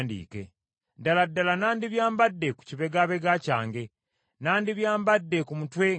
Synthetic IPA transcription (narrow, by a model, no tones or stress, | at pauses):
ndḭːke̞̰ | daladːalanaːndiβjaːmbadːeku̥ciβe̞ɡaβe̞ɡacaːŋɡe̞ | naːndiβjaːmbadːekumutwe